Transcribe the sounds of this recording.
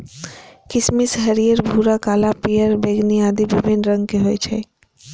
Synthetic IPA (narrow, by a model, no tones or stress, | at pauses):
kɪsmisɦəɾijəɾbʱuɾakaːlapijəɾbeɡniaːd̪ibibinɾə̃ŋɡ̚keɦojt͡ʃʰɛ̰